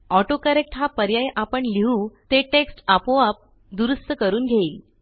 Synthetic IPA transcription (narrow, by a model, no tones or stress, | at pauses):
ɔʈokəɾek̚ʈɦapəɾjajʔapəɳliɦũːt̪eʈeksʈapoap̚ | d̪uɾust̪əkəɾuːnɡʱeiːl